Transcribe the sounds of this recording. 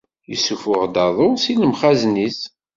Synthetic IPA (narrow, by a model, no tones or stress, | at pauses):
jəsːufʊʁd̪ɑðˤʊsiləmχæznis